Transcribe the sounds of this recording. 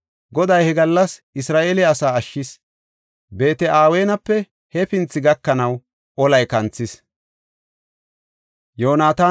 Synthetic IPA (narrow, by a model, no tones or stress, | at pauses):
ɡɔd̪ɐjhɛɡɐlːɐsɪsɾaːʔeːlɪːsaːɐʃːɪs | be̞ːt̪ɛʔaːweːnɐpːɛ | hɛpɪnt͡sːɪɡɐkːɐnɐw | ʔɔlɐjkɐnt͡sːɪs | joːnaːt̪aː